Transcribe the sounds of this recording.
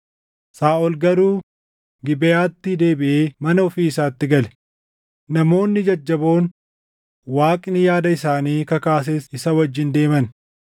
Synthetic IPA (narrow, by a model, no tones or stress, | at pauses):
saːʔɔlɡɐɾuː | ɡɪbɛjaːt̪ːɪd̪e̞ːbɪʔeːmɐnɐɔfiːɪsaːt̪ːɪɡɐlɛ̥ | nɐmo̞ːnːɪd͡ʒɐd͡ʒːɐbo̞ːn | waːkʼnɪjaːd̪ɐɪsaːniːkɐkaːs̬eːsɪsɐwɐd͡ʒːɪnd̪e̞ːmɐn